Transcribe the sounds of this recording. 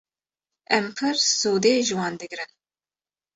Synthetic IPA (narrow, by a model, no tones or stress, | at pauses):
ɛmpʰɨɾsuːd̪eːʒɨwɑːnd̪ɨɡɾɨn